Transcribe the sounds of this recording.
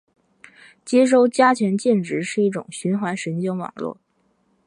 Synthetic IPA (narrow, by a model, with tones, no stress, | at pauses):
t͡ɕjɛ˥ʂ̬o˥˧ʊt͡ɕja˥t͡ɕʰɥɛ˧˥nt͡ɕjɛ˥˩nʈ͡ʂɻ̩˧˥ʂɻ̩˥˧i˥˩ʈ͡ʂʊ̰˨˩ŋɕy˧˥nxwa˧˥nʂə˧˥nt͡ɕjɔ˥ŋwɑ̰˨˩ŋlwɔ̰˥˩